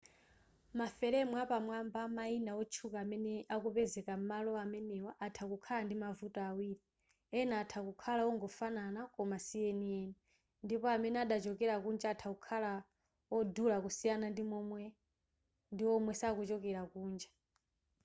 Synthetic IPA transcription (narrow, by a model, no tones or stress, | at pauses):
mafɛɾɛmwapamwambamainawɔt͡ʃʰukaːmɛnɛʔakupɛzɛkam̩malɔamɛnɛwaʔatʰakukʰalandimavutaawiːɾi | ɛnaːtʰakukʰalawɔŋɡɔfananakɔmasiɛniɛːni | ndipɔamɛnɛaɗat͡ʃɔkɛɾakund͡ʒaːtʰakukʰala | wɔdulakusijanandimɔmwɛ | ndiwɔmwɛsakut͡ʃɔkɛɾakuːnd͡ʒa